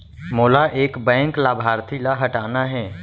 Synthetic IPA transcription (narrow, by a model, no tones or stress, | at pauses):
moːlaʔeːkbɛ̃ːŋklaːbʱaːɾt̪ʰilaɦɐʈaːnaɦɛː